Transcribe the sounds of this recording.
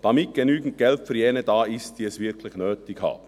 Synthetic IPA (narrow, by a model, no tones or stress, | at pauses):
d̥ɑmɪt̚ɡ̥enyːɡn̩t̚ɡ̥ɛltfəɾjɛːnədɑːɪst̚d̥iːɛsvɪɾkʰlɪχnøːtɪɡhɑ̰ːbn